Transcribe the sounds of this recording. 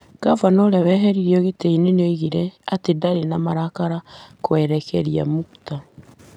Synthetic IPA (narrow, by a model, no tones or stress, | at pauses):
kavanɔɾɛβɛɦɛɾiɾiɔɣeteinenoiɣiɾɛatedaɾenamaɾakaɾakwɛɾɛkɛɾia̰mukuta